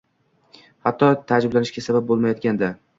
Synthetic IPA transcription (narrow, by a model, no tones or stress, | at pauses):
hat̪ːɒt̪ʰad͡ʒɪblanɪʃkʲasabap̚bolˠmajɒt̪̚kʲand̪a